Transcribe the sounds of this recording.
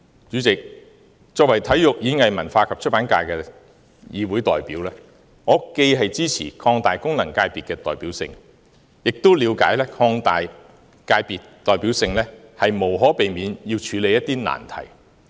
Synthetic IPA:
t͡ʃyː˨˥t͡sɪ˨k̚ | t͡ʃɔː˨k̚wɐ˨˩jt̪ʰɐ˨˥jjʊ˨k̚jiː˨˧ɪ˥ŋhɐ˨jmɐ˨˩nfaː˧kʰɐ˨p̚t͡ʃʰɵ˥t̚paː˨˥nkaː˧jkɛː˧ | jiː˨˧wuː˨˥jt̪ɔ̰ː˨jpiː˨˥wlɛː˥ | ŋɔː˨˧ke˧jɦɐ˨jt͡siː˥t͡sʰḭː˨˩kʰɔː˧ŋt̪aː˨jkʊ˥ŋlɐ˨˩ŋkaː˧jpiː˨t̚kːɛː˧t̪ɔː˨jpiː˨˥wsɪ̰˧ŋ | jɪ˨k̚t̪wliː˨˧wka̰ː˨˥jlɛː˥kʰɔː˧ŋt̪aː˨j | kaː˧jpiː˨tt̪ɔː˨jpiː˨˥wsɪ˧ŋlɛː˥hɐ˨jmo˨˩wɦɔː˨˥pe˨jmiː˨˧njiː˧wt͡ʃʰyː˨˧le˨jɐ˥t̪̚ːiː˥na̰ː˨˩nt̪ʰɐ̰˨˩j

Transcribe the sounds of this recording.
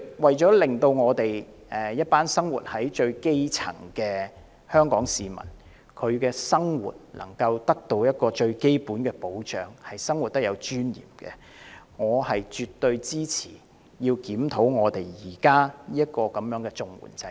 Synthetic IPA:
wɐ˨jt͡ʃɔː˨˥lɪ˨ŋt̪o˧wŋɔː˨˧t̪e˨j | ɛ˨˩jɐ˥t̚paː˥nsɐ˥ŋwṵ˨t̚hɐ˨˥jt͡ʃɵ˧ɥke˥jt͡sʰɐ̰˨˩ŋkɛː˧ | hœː˥ŋkɔː˨˥ŋsiː˨mɐ̰˨˩n | kʰɵ˨˧ɥkɛː˧sɐ˥ŋwṵː˨˩t̚lʔɐ̰˨˩ŋkɐ˧wt̪ɐ˥k̚t̪o˧wjɐ˥t̚kɔː˧t͡ʃɵ˧ɥke˥jpuː˨˥nkɛː˧po˨˥wt͡ʃœː˨˥ŋhɐ˨jsɐ˥ŋwu˨t̚t̪ɐ˥k̚jɐ˨˧wt͡ʃyː˥njḭː˨˩mkɛ̰˧ | ŋɔː˨˧hɐ˨jt͡ʃy˨t̪ːɵ˧ɥt͡siː˥t͡sʰi̥ː˨˩ | jiː˧wkiː˨˥mt̪ʰo˨˥wŋɔː˨˧t̪e˨jjiː˨˩kaː˥niː˥jɐ˥t̚kɔː˧kɐ˨˥mjœː˨˥ŋkɛː˧t͡sʊ˨ŋwṵː˨˩nt͡sɐ˧

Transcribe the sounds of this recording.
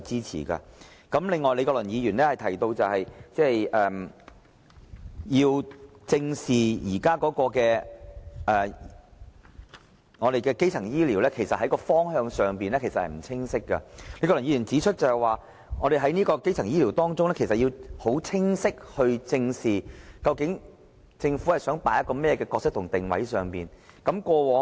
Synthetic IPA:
t͡siː˥t͡sʰḭː˨˩kɐ̰˧kɐ˨˥mlɪ˨ŋːɔː˨jle˧kɔː˧lɵ˨˩njiː˨˧jyː˨˩nɛː˥hɐ˨jt̪ʰɐ˨˩jt̪o˧wt͡sɐ˨whɐ˨jt͡sɛː˥˩jʔɛː˨m | jiː˧wt͡sɪ˧ŋsiː˨jiː˨˩kaː˥kɔː˨˥kɔː˧kɛː˧ | ʔɛː˨ | ŋɔː˨˧d̪e˨jkɛː˧ke˥jt͡sʰɐ˨˩ŋjiː˥liː˨˩wlɛː˥kʰe˨˩jsɐ˨t̚hɐ˨˥jkɔː˧fɔː˥ŋɦœː˧ŋsœː˨ŋpiː˨nɛː˥kʰe˨˩sɐ˨t̚hɐ˨m̩˨˩t͡sʰɪ˥ŋsɪ˥kːɐ̰˧le˨˥kɔ˧lɐ˨˩jiː˧˩y˨˩nt͡siː˨˥t͡ʃʰɵ˥t̚t͡sɐ˨˩hɛ˨jwaː˨˩ | ŋɔː˨˧ɾe˨jɦɐ˨˥jniː˥kɔː˧ke˥jt͡sʰɐ˨˩ŋjiː˥liː˨˩wt̪ɔː˥ŋt͡sʊ˥ŋlɛː˥kʰe˨˩sɐ˨t̚jiː˧who˨˥wt͡sʰɪ˥ŋsɪ˥k̚hɵ˧ɥt͡sɪ˧ŋsiː˨kɐ˧wkɪ˨˥ŋ | t͡sɪ˧ŋfu˨˥hɐ˨jsœː˨˥ŋpaː˨˥jɐ˥kːɔː˧mɛː˥jɛː˨˧kɛː˧kɔː˧k̚sɪ˥k̚t̪ʰʊ˨˩ŋt̪ɪ˨ŋwɐ̰˨˥jsœː˨˩ŋpiː˨nkɐ˨˥mkɔː˧wɔː˨˥

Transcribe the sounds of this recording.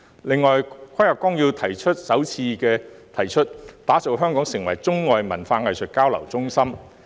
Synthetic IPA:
lɪ˨˧ŋːɔː˨˩jkʰɐ˥jɐ˨˩kɔː˥ŋji˧wt̪ʰɐ˨˩jt͡ʃʰɵ˥t̚sɐ˨˥wt͡sʰiː˧kɛː˧t̪ʰɐ˨˩jt͡ʃʰɵ˥t̚t̪aː˨˥t͡so˨wɦœː˥ŋkɔː˨˥ŋsɪ˨˩ŋwɐ˨˩jt͡sʊ˥ŋːɔː˨jmɐ˨˩nfaː˧ŋɐ˨jsɵ˨t̚kaː˥wlɐ̰˨˩wt͡sʊ˥ŋsɐ˥m

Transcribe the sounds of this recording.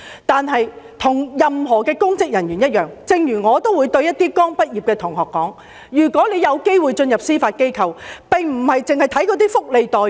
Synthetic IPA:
t̪aː˨˧nɦɐ˨jt̪ʰʊ˨˩ŋjɐ˨mɦɔː˨˩kɛː˧kʊ˥ŋt͡sɪ˨k̚jɐ˨˩nɥyː˨˩njɐ˥t̚jœː˨ŋt͡sɪ˧ŋjyː˨˩ŋɔː˨˧t̪o˥wːuː˨˧jt̪ɵ˧ɥjɐ˥t̪̚iː˥kɔː˥ŋpɐ˥t̚ji˨p̚kɛː˧t̪ʰʊ˨˩ŋɦɔː˨kːɔː˨˥ŋ | jyː˨˩kʷɔː˨˥le˨˧jɐ˨˧wke˥jwuː˨˩jt͡ʃɵ˧njɐ˨p̚siː˥faː˧t̚ke˥jkʰɐ˨˧wpɪ˨ŋm̩˨˩hɐ˨jt͡sɪ˨ŋhɐ˨jt̪ʰɐ˨˥jkɔː˨˧˥t̪iː˥fʊ˥k̚le˨˧jt̪ɔː˨˩

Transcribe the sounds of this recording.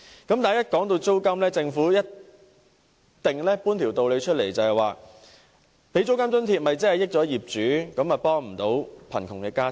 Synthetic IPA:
kɐ˨˥mt̪aː˨jɐ˥t̚kɔː˨˥ŋt̪o˧wt͡so˥wkɐ˥mlɛː˥t͡sɪ˧ŋfuː˨˥jɐ˥t̚ | t̪ɪ˨ŋlɛː˥puː˥nt̪ʰiː˨˩wt̪o˨wle˨˧jt͡ʃʰɵ˥t̚le˨˩jt͡sɐ˨whɐ˨jwaː˨˩ | pe˨˥jt͡so˥wkɐ˥mt͡sɵ˥nt̪ʰiː˧t̚mɐ˨jt͡sɐ˥hɐ˨jɪ˥k̚t͡sɔː˨˥jiː˨p̚t͡ʃyː˨˥kɐ˨˥mɐ˨pɔː˥ŋm̩˨˩t̪o˨˥wpʰɐ˨˩nkʰʊ˨˩ŋkɛː˧kaː˥

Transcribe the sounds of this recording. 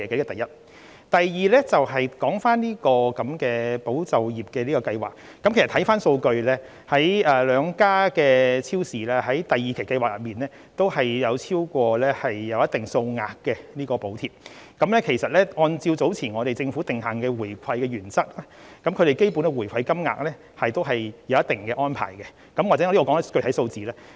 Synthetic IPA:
ɛː˨˩kɐ˨˥kɛ˨˧t̪ɐ˨jɐ˥t̚ | t̪ɐ˨jjiː˨lɛ˥t͡sɐ˨wɦɐ˨jkɔː˨˥ŋfaː˥nliː˥kɔː˧kɐ˨˦mkɛː˧po˨˥wt͡sɐ˨wjiː˨˩p̚kɛ˧liː˥kɔː˧kɐ˧jwa̰ː˨˩k̚ːɐ˨˦mke˨˩sɐ˨t̪ʰɐ˨˥faː˥nso˧wkɵ˧ɥlɛː˥ | hɐ˨˥jɛː˨˩lœː˨˧ŋkaː˥kɛː˧t͡sʰiː˥wsiː˨˩laː˧hɐ˨˥jt̪ɐ˨jiː˨˩kʰe˨˩jkɐ˧jwaː˨k̚jɐ˨˩t̚miː˨˩nlɛː˥ | t̪o˥whɐ˨jjɐ˨˧wt͡sʰiː˥wkʷɔː˧lɛː˥hɐ˨jːɐ˨˧wjɐ˥t̪ɪ˨ŋso˧wŋa̰ː˨kːɛ˧niː˥kɔː˧po˨˥wt̪ʰiː˨˩p̚kɐ˨˥mlɛː˥kʰe˨˩jsɐ˨t̚lɛː˥ɔː˧nt͡siː˧wt͡so˨˥wt͡sʰiː˨˩nŋɔː˨˧ɾe˨˩jt͡sɪ˧ŋfu˨˥t̪ɪ˨ŋɦaː˨˩ŋkɛː˧wuː˨˩jkʷʰɐ˧jkɛː˧ɥyː˨˩nt͡sɐ˥k̚laː˥ | kɐ˨˥mkʰɵ˨˧ɾe˨jke˥jpu˨˥nkɛ˧wuː˨˩jkʷʰɐ˧jkɐ˥mŋa̰ː˨k̚lɛː˥ | hɐ˨jt̪o˥wɦɐ˨jjɐ˨˧wjɐ˥t̪ɪ˨ŋkɛː˧ʔɔː˥npʰa̰ː˨˩jkɛ˧ | kɐ˨˥mwaː˨˩ɛ˨˥˨i˥ɔ˧kɔː˨˧˥n˥kɵ˧tʰɐ˨˥jso˧wt͡siː˨lɛː˥

